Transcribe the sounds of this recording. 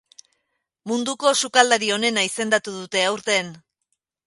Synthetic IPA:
mund̪uko̞sukald̪aɾio̞ne̞naise̞nd̪at̪uðut̪e̞awɾt̪e̞n

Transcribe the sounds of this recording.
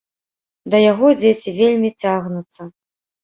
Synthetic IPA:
d̪ɐjaɣɔd͡zʲet͡sʲivʲelʲmʲit͡sʲaɣnut̪sɐ

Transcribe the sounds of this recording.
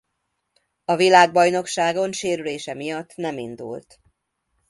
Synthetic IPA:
ɒvilaːɡ̚bɒjno̞kʃaːɡo̞nʃeːɾyleːʃɛmijɒt̪ːnɛmḭnd̪ṵlt̪

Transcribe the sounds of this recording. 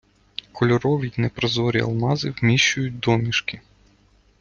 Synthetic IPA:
kʰɔlʲɔɾɔʋʲijnɛpɾɔzɔɾʲḭɐ̰lˠmɑzɪwmʲiʃt͡ʃʊjʊt̚ʲd̪ɔmʲiʃkɪ

